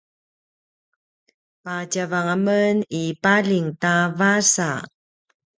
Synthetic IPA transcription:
pacavaŋamənipaɮiŋtavasa

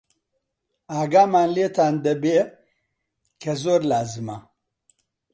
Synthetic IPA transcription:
aːɡamanlet̪and̪ɐbe | kʰɐzoɾlaːzɨma

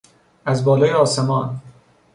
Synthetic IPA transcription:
æzbɒːlɒːjeɒːse̞mɒːn

